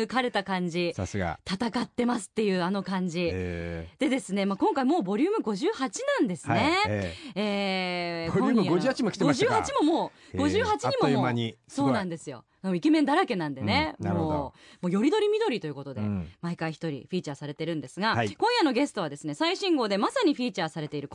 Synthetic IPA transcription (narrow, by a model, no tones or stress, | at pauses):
ɯkaɾe̞t̪akãɲ̟d͡ʑisasɨɡa̰t̪at̪akat̪ːe̞masɨ̥t̪ːe̞jɯ̟ːano̞kãɲ̟d͡ʑid̪̥e̞d̪e̞sɨne̞maːkõ̞ŋkaimo̞ːbo̞ɾʲɯːmɯ̟ɡo̞ʑɨːhat͡ɕinãnd̪e̞sɨane | eː | omɡoɨːhat͡ɕimokʲi̥t̪eɡoaʑɨɨːhat͡ɕimo̞mo̞ː | ɡo̞ʑɨːhat͡ɕiɲ̟imoomaɲiso̞ːnãnd̪e̞sɨjo̞̰ | akoikemẽnd̪aɾake̞nãnd̪e̞nenmɾooːmo̞ːjo̞ɾʲid̪o̞ɾʲimʲid̪o̞ɾʲit̪o̞jɯ̟ko̞t̪od̪e̞̰maikaiçi̥t̪o̞ɾʲḭɸʲiːt͡ɕaːsaɾe̞t̪e̞ɾɯ̟̃nd̪e̞sɨɡakõ̞ɰ̃jano̞ɡe̞sɨ̥t̪o̞βad̪e̞sɨnesaiɕĩŋɡo̞ːd̪e̞masaɲ̟iɸʲiːt͡ɕaːsaɾe̞t̪e̞iɾɯ̟k